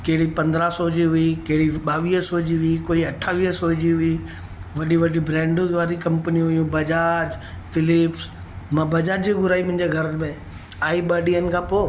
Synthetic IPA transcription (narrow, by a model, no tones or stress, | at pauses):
keɦɪɽipɐ̃nd̪ɾasɔd͡ʑiɦʊikeɦɽiɓaːʋiːɦsod͡ʑiɦʊikoːiɐʈʰːaːʋiːsoɦd͡ʑiɦʊi | ʋɐɗiʋɐɗibɾɛ̃ːɳɖʋaːɾikɐ̃mpənĩɦʊjũbɐd͡ʒaːd͡ʒ | fɪlɪps | mãːbɐd͡ʒaːd͡ʑiɡʊɾaːimʊ̃ɦɪ̃ɲd͡ʑeɡʱɐɾmẽ | aːiɓaːɖiənɪ̆kʰãːpoː